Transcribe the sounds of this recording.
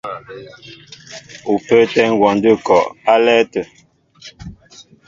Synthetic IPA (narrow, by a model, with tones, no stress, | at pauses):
u˨pə˦tɛ˦ŋ˦ɡwɔ˨ndə˦˨kɔ˨ʔa˦lɛ˦tə˨